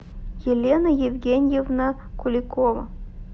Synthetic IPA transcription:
jelʲenəjevʲɡʲenʲjevnə | kʊlʲɪkovə̰

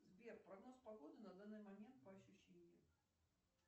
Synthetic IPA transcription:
zʲbʲɛrpɾaɣnɔspaɣɔd̪ɨnɐd̪anːɨmamʲɛnt̪̚pɐɐɕʲuɕːenʲːijɐk

